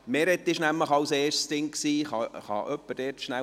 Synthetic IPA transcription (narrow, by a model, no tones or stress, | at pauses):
mɛɾɛt̪ːɪʃnæmləχɑwseːʃsd̥ɪŋksiːχɑχɑ̰ʔœpːəd̥ɛːtʃnæ